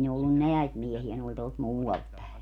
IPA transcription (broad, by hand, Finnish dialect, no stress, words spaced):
ne olːun neæit miehiæ ne olʲ tuolt muːɑlt pæe